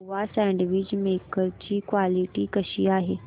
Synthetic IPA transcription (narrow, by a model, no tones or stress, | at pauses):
uasɛ̃ːɳɖʋiːd͡ʑmeːkəɾd͡ʑiːkʋaːlɪʈikɐʃiaːɦeː